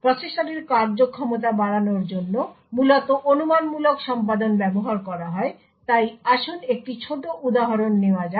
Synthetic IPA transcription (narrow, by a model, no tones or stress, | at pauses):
pɾot͡ɕeʃʈaneɾkaɾd͡ʑokʰːɔmot̪̬abaɽanoɾd͡ʑonːo | mulot̪oʔonumanmulokʃɔmpad̪onbɛboɦaɾkɔɾaɦɔe | t̪ajaʃonek̚ʈit͡ɕʰoʈoʔud̪aɦaɾonːeoad͡ʑa